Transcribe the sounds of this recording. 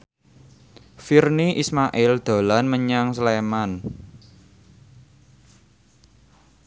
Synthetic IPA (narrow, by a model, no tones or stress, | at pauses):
firniʔismaʔɪld̪̥o̤lanməɲaŋsleman